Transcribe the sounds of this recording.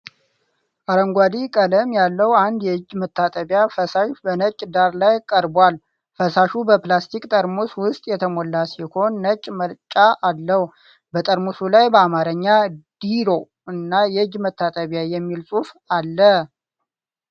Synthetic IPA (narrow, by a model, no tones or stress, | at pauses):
ʔaɾəŋɡʷad̪ikʼələmjalːəwand̪jɛɨd͡ʒmət̪ʰːat̪ʼəβjafəsaʃbənət͡ʃʼːd̪aɾlajkʼəɾbwal | fəsaʃubəplast̪ʰikʼt̪ʼəɾmuswʊst̪ʼjɛt̪ʰəmolːasiho̞nːət͡ʃʼːməlt͡ʃʼaʔːlːəhu | bət̪ʼəɾmusulajbəamaɾəɲːad̪̥iɾo̞ | ɨnːajɛɨd͡ʒmət̪ʰːat̪ʼəβjajɛmːilsʼuf | alːə